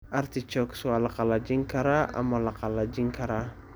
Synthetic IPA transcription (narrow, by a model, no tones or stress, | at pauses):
art̪it͡ʃɔksualakalad͡ʒiŋkaɾaa̰malakalad͡ʒiŋkaɾa